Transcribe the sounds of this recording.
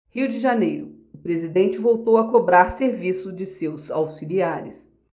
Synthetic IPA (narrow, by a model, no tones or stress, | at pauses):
hiwd͡ʒɪʒanejɾʊ | ʊpɾezid̪ẽnt͡ʃɪvowt̪owɐkobɾaɾseɾvisʊd͡ʒɪsewzawsiliaɾɪs